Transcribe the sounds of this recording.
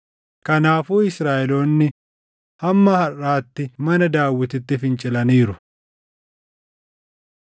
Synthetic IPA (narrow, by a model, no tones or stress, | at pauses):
kɐnaːfuːɪsɾaːʔɛloːnːɪ | hɐmːɐhɐraːt̪ːɪmɐnɐd̪aːwːɪt̪ɪt̪ːɪfɪnt͡ʃʼɪlɐniːɾʊ